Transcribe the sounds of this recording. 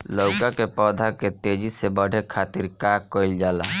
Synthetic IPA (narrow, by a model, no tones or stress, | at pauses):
lowkakepɔd̪ʱaket̪ed͡ʒisebəɽ̤ʱekʰat̪iɾkakːɔjld͡ʒala